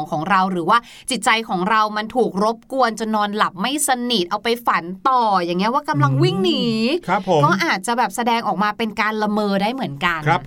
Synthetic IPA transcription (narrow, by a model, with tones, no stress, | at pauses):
ŋkʰɔː˩˦ŋɾa˧wɾɯː˩˦waː˥˩ | t͡ɕi˨˩t̪̚t͡ɕa˧jkʰɔː˩˦ŋɾa˧wma˧nt̪ʰuː˨˩k̚ɾo˦˥p̚ku˧ənt͡ɕo˧nːɔː˧nla˨˩p̚ma˥˩jsa˧ni˨˩t̪̚ʔa˧wpa˧jfa˩˦nt̪ɔː˨˩ja˨˩ŋːi˦˥ɐwaː˥˩ka˧mla˧ŋwi˥˩ŋniː˩˦a˦˧˥o˧˨˦kɔː˥˩ʔaː˨˩t̪̚t͡ɕa˨˩bɛː˨˩p̚sa˧dɛː˧ŋʔɔː˨˩k̚maː˧pe˧nkaː˧nla˧mɤː˧daː˥˩jmɯ˩˦ənka˧n˦˧